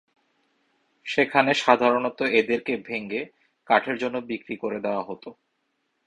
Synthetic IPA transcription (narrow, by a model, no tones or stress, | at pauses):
ʃekʰaneʃad̪ʱaɾonot̪oed̪eɾkebʱeŋɡe | kaʈʰeɾd͡ʑonːobikɾikoɾed̪eoaɦot̪o